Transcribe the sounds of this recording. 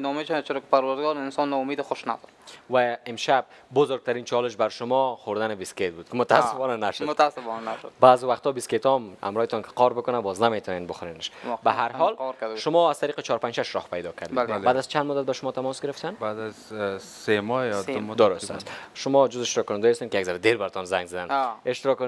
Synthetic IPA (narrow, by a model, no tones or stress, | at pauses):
nɔmeʃanat͡ʃʰɪɾɔkɪ̥paɾwaɾd̪ɡɔɾɪnsɔnːɔʊmed̪ɪxʊʃna̰d̪ɔɾwaɪmʃab̚ | bʊzoɾɡ̚t̪aɾint͡ʃʰɒlɪʃbaɾʃʊmɔxoɾd̪anɪbisket̪̚buːd̪̚kɪmʊt̪asːɪfɔnanaʃʊdmʊt̪asɪfɔnanaʃʊd̪baːzɪwaχt̪ɔbisket̪ɔmha̰mɾɒhɪt̪ɔnkʰɪ̥qɔɾbʊkʊnabɔznamet̪ʰɔnenboxʊɾeneʃbaɦaɾɦɔlʃʊmɔaz̥t̪aɾiːqɪt͡ʃɔɾpanʃaʃɾɔhpajd̪ɔkʰaɾd̪ebad̪azt͡ʃʰand̪mʊd̪at̪̚baʃʊmɔt̪ʰamɔsɡɪɾɪft̪anbad̪azsemɔd̪ʊɾʊst̪a̰st̪ʃʊmɔd͡ʒʊzeʃt̪ɾɔkːʊnɪnd̪ɔjast̪enkɪjaɡzaɾad̪eɾbaɾt̪ʰɔnzaŋɡzad̪aneʃt̪ɪɾɔk